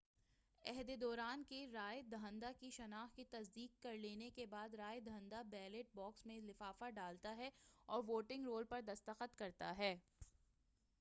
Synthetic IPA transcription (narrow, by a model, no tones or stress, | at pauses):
ɛɦd̪ed̪ɔːɾaːnkeɾaːjed̪ʱaə̃nd̪akiʃɐnaːxkit̪ɐsd̪iːkːɐɾleːnekebaːd̪ɾaːed̪ə̃nd̪abɛːleʈ̚bɔːksmẽlɪfaːfaɖaːlt̪aɦɛɔːɾʋoːʈɪ̃ŋɡɾoːlpɐɾd̪ɐst̪əqət̪kɐɾt̪aɦɛː